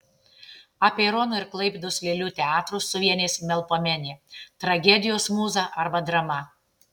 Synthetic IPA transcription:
ɐpʲeɪɾɔːnʊɪɾklˠɐɪpʲeːd̪ʊsʋʲeːlʲuːt̪ʲɛɑːt̪ɾʊsʊʋʲiɛnʲeːsmʲɛlˠpoːmʲɛnʲeːt̪ɾɐɡʲɛd̪ʲɪjoːsmuːzɑʔɐɾbɐd̪ɾɐmɐ

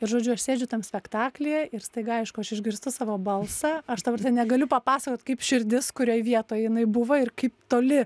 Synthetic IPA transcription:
ɪɾʒoːd͡ʒʲʊɐʃsʲeːd͡ʒʲʊt̪ɐmsʲpʲɛkt̪ɑːklʲeɛɪɾst̪ɐɪɡɐɐɪʃkʊɐʃɪʒʲɡʲɪɾst̪ʊsɑːʋoːbɐlˠsɑɐʃd̪ɐbɐɾt̪ʲɛnnʲɛɡɐlʲʊpɐpɑːsɐkoːt̪kɐɪpʃʲɪɾʲd̪ʲɪskʊɾʲoːjʋʲiɛt̪oːjjɪnɐɪbʊʋɐɪrkɐɪpt̪oːlʲɪ

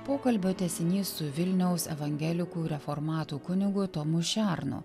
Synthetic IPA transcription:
poːkɐlʲbʲoːt̪ʲɛsʲɪnʲiːsːʊʋʲɪlʲnʲɛʊsɛʋɐŋʲɡʲɛlʲɪkuːɾʲɛfɔɾmɑːt̪uːkʊnʲɪɡʊt̪ɔmʊʃʲæˑɾnʊ̰

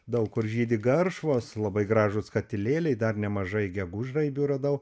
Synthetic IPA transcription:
d̪ɐʊkkʊrʒʲiːd̪ʲɪɡɐrʃʋoːslˠɐbɐɪɡɾɑːʒʊskɐt̪ʲɪlʲeːlʲɛɪd̪ɐrnʲɛmɐʒɐɪɡʲɛɡʊʒrɐɪbʲuːɾɐd̪ɐʊ

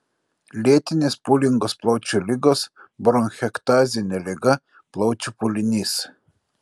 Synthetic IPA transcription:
lʲiɛt̪ʲɪnʲeːspʊlʲɪŋɡoːsplˠɐʊt͡ʃʲulʲɪɡosbɾɔnxʲɛkt̪ɑːzʲɪnʲɛlʲɛɡɐ | plˠɒʊt͡ʃʲupʊlʲɪnʲis

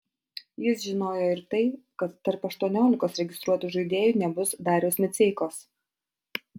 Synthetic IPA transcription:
jɪsʒʲɪnoːjoɪɾt̪ɐɪkɐt̪ːɐɾpɐʃt̪uɔnʲoːlʲɪkoːsɾʲɛɡʲɪst̪ɾuɔt̪uʒɐɪd̪ʲeːjuːˑnʲɛbʊsd̪ɑːɾʲoːsmʲɛt̪sʲɛɪkoːs

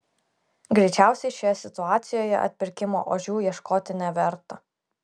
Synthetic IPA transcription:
ɡɾʲɛɪt͡ʃʲæˑʊsʲɛɪʃʲoːjɛsʲɪt̪ʊɑːt̪sʲɪjoːjɛ̰ʔɐ̰t̪ʲpʲɪɾʲkʲɪmo̰ːʔoːʒʲuːjiɛʃkoːt̪ʲɪnʲæʋʲɛɾt̪ɐ

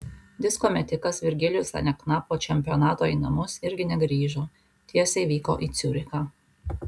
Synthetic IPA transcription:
d̪ʲɪskɔmʲɛt̪ʲɪkɐsʋʲɪɾʲɡʲɪlʲɪjʊsɐ̰nʲɛknɑpoːt͡ʃʲɛmʲpʲɪjɔnɑːt̪oːiːnɐmʊsɪɾʲɡʲɪnʲɛɡɾʲiːʒu | t̪ʲiɛsʲɛɪʋʲiːko̰ːʔiːt̪sʲuːɾʲɪkaː

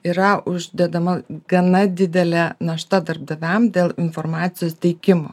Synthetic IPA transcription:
iɾɐʊʒʲd̪ʲɛd̪ɐmɐɡɐnɐd̪ʲɪd̪ʲɛlʲænɐʃt̪ɐd̪ɐrb̚d̪ɐʋʲæmd̪ʲeːlˠɪnfoɾmɑːt̪sʲɪjoːst̪ʲɛɪkʲɪmo̰

